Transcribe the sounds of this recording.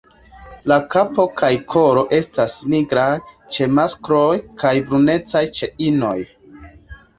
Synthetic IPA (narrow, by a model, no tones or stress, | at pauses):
lakapo̞kʰajkʰo̞ɾo̞ʔe̞stasniɡɾa | t͡ʃe̞maskɾojkʰajbɾune̞t͡sajt͡ʃe̞ino̞̰j